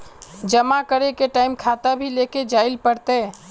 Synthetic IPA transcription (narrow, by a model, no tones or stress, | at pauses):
d͡ʒəmakəɾekeʈaɪmkʰat̪əbʱileked͡ʒailpəɾt̪e